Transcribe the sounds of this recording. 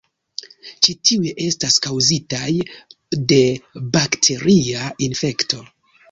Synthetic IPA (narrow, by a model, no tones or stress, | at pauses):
t͡ʃitʰiujeʔe̞staskawzitaj | de̞baktʰe̞ɾiainfe̞kto̞